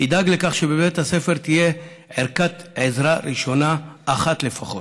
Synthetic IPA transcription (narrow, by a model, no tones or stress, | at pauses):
id̪aɡlekaχʃebebet̪hase̞feʁt̪ije̞ | ʕeɾkat̪ʕezʁaɾiʃo̞naːχatle̞faχo̞t